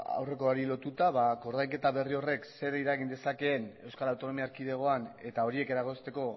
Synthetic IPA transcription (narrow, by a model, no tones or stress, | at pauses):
a̰wre̞ko̞aɾilo̞t̪ut̪aβako̞ɾðajke̞t̪aβe̞rio̞re̞kse̞ɾiɾaɣ̞ind̪e̞sake̞ːne̞wskaɾawt̪o̞no̞miaːɾkið̞e̞ɣ̞o̞ane̞t̪ao̞ɾie̞ke̞ɾaɣ̞o̞st̪e̞ko̞